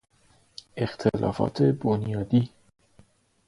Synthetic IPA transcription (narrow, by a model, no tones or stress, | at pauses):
ext̪ʰelɒ̰ːfɒ̰ːt̪ʰe̞bonjɒːd̪iː